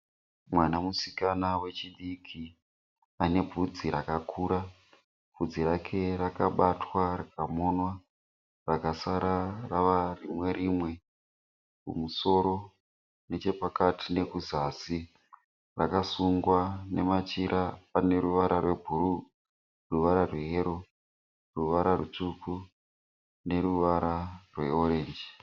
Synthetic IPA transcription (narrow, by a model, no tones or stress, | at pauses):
mwanamusikanawe̞t͡ʃiɗikʰi | ane̞bʱud͡ziɾakakʰuːɾa | b̥ʱud͡ziɾakʰe̞rakaɓatwarakamonwa | rakasaɾaraʋarimwe̞ɾimwe̞ | kṵmuso̞ɾo̞ | ne̞t͡ʃe̞pakatʰine̞kuzasi | rakasuŋɡwane̞mat͡ʃiɾʔapane̞ɾuʋaɾʔarwe̞bʱuɾu | ruʋaɾarwe̞ɦeɾo̞ | ruʋaɾarut͡ʂuku | ne̞ɾuʋaɾarwe̞o̞ɾe̞ːnd͡ʒi